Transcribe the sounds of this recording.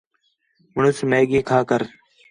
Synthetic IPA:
mʊɳʊsmeːɠẽːkʰaːkəɾ

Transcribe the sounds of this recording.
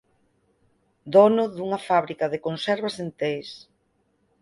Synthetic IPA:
d̪ɔnʊðuŋɐfaβɾikaðekonsɛɾβasent̪es

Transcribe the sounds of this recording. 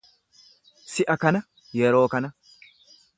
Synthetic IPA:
sɪʔɐkɐnɐ | jɛɾo̞ːkɐnɐ

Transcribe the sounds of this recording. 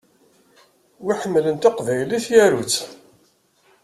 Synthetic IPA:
wiħəmːlənt̪ɑqvæjliθjæɾut͡sː

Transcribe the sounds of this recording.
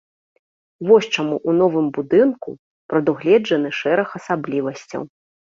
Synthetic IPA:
vɔɕt͡ʂamuʔunɔvɨmbud̪ɨnkṵ | pɾɐd̪uɣlʲɛd͡ʐɐnɨʂɛɾɐxɐsablʲivɐsʲt͡sʲɐ̰w

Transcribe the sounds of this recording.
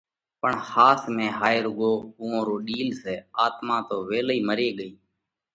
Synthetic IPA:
pəɳhaːsmẽːɦaːɪɾʊɠoːuːõːɾoːɗiːlseːaːt̪mãːt̪oːʋeːliːməɾeːɠəiː

